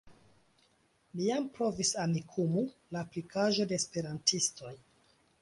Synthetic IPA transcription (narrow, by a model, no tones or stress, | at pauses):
mijampɾo̞visamikʰumulaːplikaʒo̞de̞ːspe̞ɾantisto̞j